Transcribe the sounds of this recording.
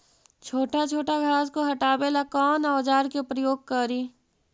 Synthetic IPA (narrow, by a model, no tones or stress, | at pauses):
t͡ʃʰoːʈat͡ʃʰoːʈaɡʱaːskoɦɐʈaːbelakɔːnaːd͡ʒaːɾkepɾəjoːɡ̚kəɾiː